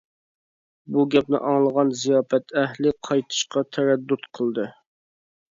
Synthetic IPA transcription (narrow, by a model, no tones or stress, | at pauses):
buɡʲɛp̚nɪ̰ʔɑŋlˠəʁɑnzijɑːfɛt̪ʰɛɦlɪqʰɑjt̪ʰɨ̥ʃqɑt̪ʰɛɾɛd̪ːut̪qʰəlˠd̪ɨ